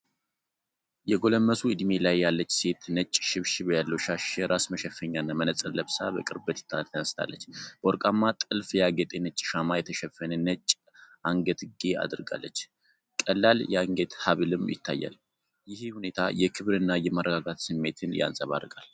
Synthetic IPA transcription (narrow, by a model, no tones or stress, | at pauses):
jɛɡo̞ləmːəsuɨd̪melajːalːət͡ʃːse̞t̪nət͡ʃʼːʃɪβʃɪβjalːəwʃaʃjɛɾʔasməʃɛfəɲːanːamənət͡sʼələβsabəkʼɨɾbət̪ʰt̪ʰːat̪ʰːənəst̪ʰa̰lːət͡ʃːb̥əoɾkʼamːat̪ʼɨlfjaɡət̪ʼenət͡ʃʼːʃamajɛt̪ʰəʃɛfːənənət͡ʃʼː | aŋɡət̪ɡea̰d̪ɨɾɡa̰lːət͡ʃː | kʼəlːaljɛaŋɡət̪haβɨlɨmjɪ̰t̪ʰːajːa̰l | jɪhhune̞t̪ʰajɛkʰɨβɾɨnːajɛmərəɡaɡat̪sɨmːe̞t̪ʰɨnja̰nsʼəβa̰ɾɡʼal